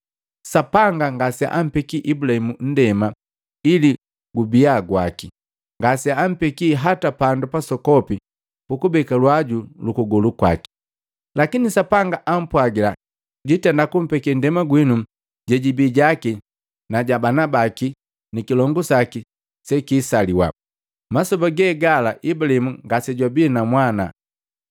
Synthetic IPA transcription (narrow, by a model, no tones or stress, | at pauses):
sapaŋɡaŋɡasɛ̰ʔam̩pɛkiʔibulahimun̩dɛma | ili | ɡubiaɡwa̰ki | ŋɡasɛam̩pɛkiːɦatapandupasɔkɔpi | pukubɛkalwaɟulukuɡɔlukwa̰ki̥ | lakinisapaŋɡaʔam̩pwaɡila | ɟitɛndakum̩pɛkɛndɛmaɡwinu | ɟɛɟibiːɟaki | naɟabanabaki | nikilɔŋɡusaki | sɛkiːsaliwa̰ | masɔbaɡɛɡalaʔibulimuŋɡasɛɟwabiːnamwana̰